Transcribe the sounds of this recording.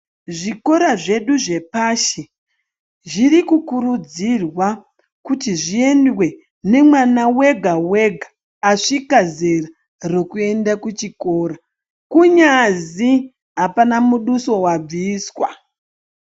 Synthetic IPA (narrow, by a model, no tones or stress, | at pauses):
ʐiko̞ɾaʐe̞ɗuʐe̞paːʃe | ʐiɾikukuɾud͡zirwa | kutiʐie̞ndwe̞ | ne̞mwanawe̞ɡʱawe̞ɡʱaː | ʂikazera | ro̞kue̞ndakut͡ʃiko̞ɾa | kuɲazi | ɦapanamuɗuso̞wab͡viːswa̰